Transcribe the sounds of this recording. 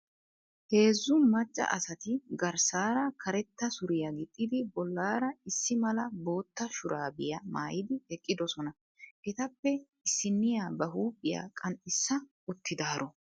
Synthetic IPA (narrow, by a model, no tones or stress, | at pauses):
he̞ːzːʊmɐt͡ʃʼːɐ̰ʔɐ̰sɐt̪ɪɡɐɾsaːɾɐkʰɐɾɛt̪ːɐsʊɾɪjɐɡɪt̪ʼːɪd̪ɪbɔlːaːɾɐɪsːɪmɐlɐbo̞ːt̪ːɐʃʊɾaːbɪjɐma̰ːjɪd̪ɪhɛkʼːɪd̪ɔsɔnɐ | ʔɛt̪ɐpːɛ | ɪsːɪnːɪjaːbɐɦuːpʼːɪja̰ːkʼɐnʔɪsːɐ | ʊt̪ʰːɪd̪aːɾɔ